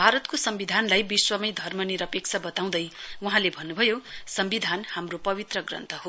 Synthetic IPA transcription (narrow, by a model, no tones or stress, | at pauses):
bʱaɾʌt̪kosʌmbid̪ʱanlajbiswʌmʌjd̪ʱʌrmʌniɾʌpek̚t͡sʰabʌt̪aw̃d̪ʌjwuɦãlebʱʌnːubʱʌjosʌmbid̪ʱanhamropʌbit̪rʌɡrʌ̰nt̪ʰʌho